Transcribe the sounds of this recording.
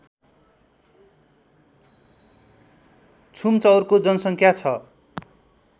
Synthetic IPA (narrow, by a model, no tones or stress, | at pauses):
t͡sʰumt͡sʌwrkod͡zʌnʌsʌŋkʰjat͡sʰʌ